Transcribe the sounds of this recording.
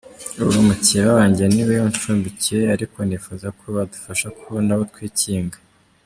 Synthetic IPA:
uβumucijeβaβaːɲɟiɾeniβejont͡ʃuːmbicieaɾikʰo̞nifuzakʰoβadu̥faʃakʰonaβotwiːciːŋɡa

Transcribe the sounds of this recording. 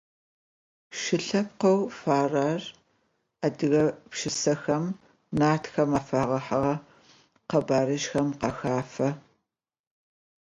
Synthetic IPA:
ʃɪɬɐp̚qɐwfaːraːr | adɨɣɐpʃɪsɐxɐm | naːtxɐmɐfɐʁɐħɐʁɐ | qɐbaːɾɨʃxɐmqɐxaːfɐ

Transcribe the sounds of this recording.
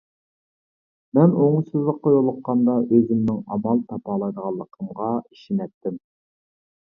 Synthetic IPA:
mɛnoŋusɨzlˠəqʰːɑjolˠəqːɑnd̪ɑʔøzɪmnɪŋɑmɑlˠt̪ʰɑpɑlˠɑjd̪əʁɑlˠːəqʰəmʁɑiʃinɛt̚t̪ʰːɪm

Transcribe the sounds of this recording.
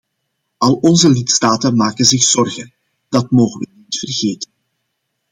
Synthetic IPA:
ʔɑlˠɔnzəlɪtstaːtənmaːkənzɪxsɔrɣən | d̥ɑtmoːɣəʋə̰nitfərɣeːtən

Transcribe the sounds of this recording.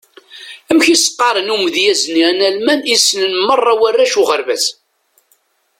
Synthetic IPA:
æmçisqːɑɾˤənumðjæzninælmænisːnənmərˤːɑwærːæʃuʁəɾvæθ

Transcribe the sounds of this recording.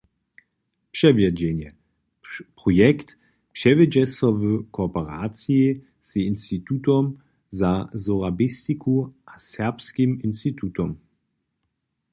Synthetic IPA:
pʂɛvjad͡ʑɛnjɛ | pʁɔjɛkt̪ | pʂɛvɪd͡ʑɛsɔvəkʰɔpɛʁaːt͡sii | z̥inst̪it̪utɔm | zazɔʁabist̪ikʰuʔasɛɐpskiminst̪it̪ʰut̪ɔm

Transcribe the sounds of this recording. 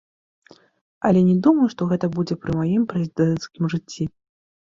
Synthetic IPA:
ɐlʲɛnʲɛd̪umɐjuʂt̪ɔɣɛt̪ɐbud͡zʲɛpɾɨmajimpɾɛzʲid̪ɛnt̪skʲimʐɨt͡sʲːi

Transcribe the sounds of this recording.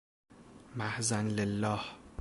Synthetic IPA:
mæhzænlelːɒːh

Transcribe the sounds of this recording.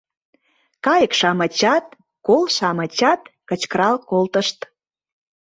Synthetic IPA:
kɑjəkʃɑmət͡ɕɑt̪̚ | kolʃɑmə̆t͡ɕɑt̪kə̆t͡ɕkəɾɑlkolt̪əʃt̪

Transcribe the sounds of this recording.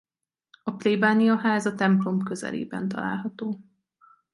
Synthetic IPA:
ɒplebaːniɒɦaːzɒt̪ɛmplo̞mkøzɛ̰lḛːbɛ̰nt̪ɒ̰la̰ːlɦɒt̪oː

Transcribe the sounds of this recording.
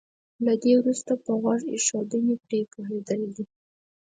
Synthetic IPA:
lad̪ewɾust̪apəɣwaʐḛʃɑwd̪ənepɾekoɦed̪əld̪i

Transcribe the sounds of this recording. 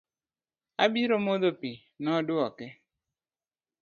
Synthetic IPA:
abiɾomoðopi | nɔdʊɔkɛ

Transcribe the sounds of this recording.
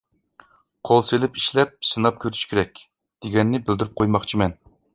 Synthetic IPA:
qʰolˠselɪpiʃlɛp̚sɨnɑp̚kʲʰøɾy̥ʃkʲʰeɾɛkʲ | d̪̥eɡʲɛnːɪbɪld̪yɾyp̚qʰojmɑχt͡ʃʰimɛn

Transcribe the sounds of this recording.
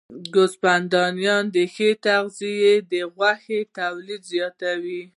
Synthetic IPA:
ɡʊspand̪ɑnjɑnd̪əxet̪aɣzijed̪əɣwaxet̪awlid̪zjɑt̪awi

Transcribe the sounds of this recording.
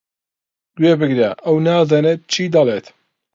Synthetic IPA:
ɡweːbɨɡɾeʔɐwnaːzaːneːt̪̚t͡ʃʰiːd̪ɐlˠeːt̪

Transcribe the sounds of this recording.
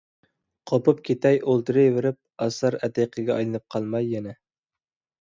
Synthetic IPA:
qʰopʊp̚kʲʰet̪ɛjolˠt̪ɨɾɨjveɾɪp̚ɑsɑɾæt̪ejqʰɨɡʲɛɑjlˠɨnɨp̚qʰɑlˠmɑjːɛnɛ

